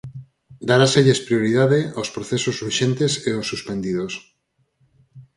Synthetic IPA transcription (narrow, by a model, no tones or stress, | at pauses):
d̪aɾaseʎespɾioɾiðaðeaspɾoθesozuʃẽnt̪eseosːuspend̪iðos